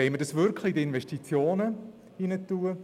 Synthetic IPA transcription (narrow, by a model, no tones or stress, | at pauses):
ɛɪmədɑsʋʏɾkʰlɪdəɪnvɛʃtit͡sjoːnə | inətuːə